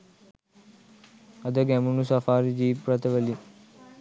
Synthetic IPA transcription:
ɐd̪əɡɛmunusafaːɾid͡ʑiːpɾɐt̪ʰəʋəli

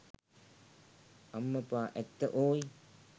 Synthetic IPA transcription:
ɐmːɐpaːʔɛt̪ːɐʔoːji

